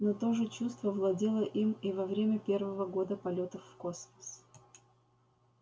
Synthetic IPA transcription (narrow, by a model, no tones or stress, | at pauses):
not̪o̞ʐɨt͡ɕust̪vəvlˠɐdʲelˠəʔimivɐvɾʲemʲəpʲe̞rvəvəɡo̞d̪əpɐlʲo̞t̪əfːkosməs